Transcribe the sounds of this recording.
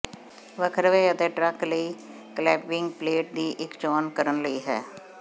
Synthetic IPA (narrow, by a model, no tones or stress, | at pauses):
ʋəkʰəɾʋeːət̪eːʈɾəkləiː | klɛːpɪŋɡpleːʈ̚d̪iːʔɪkt͡ʃɔːnkəɾənləiːɦɛ̰ː